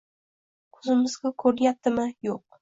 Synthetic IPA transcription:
kʰɵzɪmɪzɡʲakʰɵɾjap̚t̪ːɪmɪjoq̚

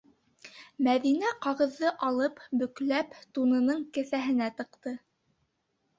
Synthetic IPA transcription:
mæðinæqɑʁɤ̆ðːɤʔɑlˠɤpbɵ̆klæpt̪unɤ̆nɤɴkɘ̆θæɦɘ̆næt̪ɤ̆qt̪ɤ

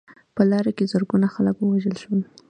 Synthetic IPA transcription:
pəlɑɾakezəɾɡunaxaləkwəwaʒəlʃwəl

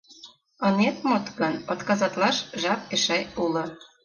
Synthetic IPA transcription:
ɤnet̪mot̪kə̆not̪kɑzɑt̪lɑʃʒɑp̚ĕʃɑjulɤ̆

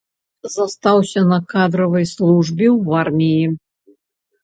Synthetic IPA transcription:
zɐst̪awsʲɐnɐkad̪ɾɐvɐjslˠuʐbʲiwarmʲiji

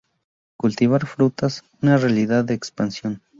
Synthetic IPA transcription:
kult̪iβ̞aɾfɾut̪as | unarealiðaðːeːkspansjon

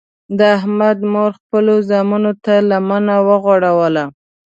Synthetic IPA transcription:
d̪əaɦmad̪moɾxpəlozɑmunot̪alamanawəɣwaɽawəla

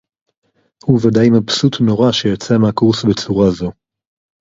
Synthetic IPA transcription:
huvadajmapsutno̞ʁaʃejot͡semeakuʁsbet͡suʁazo̞

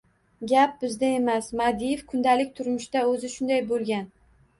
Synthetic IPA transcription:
ɡʲap̚bɪzd̪ae̞masmad̪ijefkʰʊnd̪alɪkʲt̪ʰʊɾmʊʃt̪aɵzɪʃʊnd̪ajbolˠɡʲan

